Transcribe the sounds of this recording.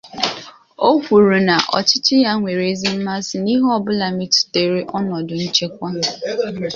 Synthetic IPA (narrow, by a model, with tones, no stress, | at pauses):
o˦kʷu˨ɾu˨na˨ʔɔ̰˨t͡ʃɪ˦t͡ʃɪ˦ja˦ŋʷe˨ɾe˦zi˦m̩˦ma˦sɪ˨ni˦ɦɔ˦˨bʊ˦la˨mi˦ti̥˨te˦ɾe˦ʔɔ˦nɔ˨dʊ˨n̩˦t͡ʃe˦kʷa˦